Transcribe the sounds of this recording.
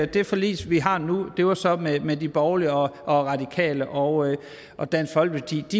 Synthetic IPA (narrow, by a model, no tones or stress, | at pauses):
d̥e̝fɒ̽lḭːsʋiɦɑ̈nud̥e̝ʋɑ̈sɒ̽memed̥ib̥ɒʊliɒʔɒ̽ʁɑ̈d̥ikʰɛ̰ːləʔɒ̽ | ʔɒ̽d̥æn̰sɡ̥fɒ̽l̰ɡ̥fɒd̥ḭːd̥i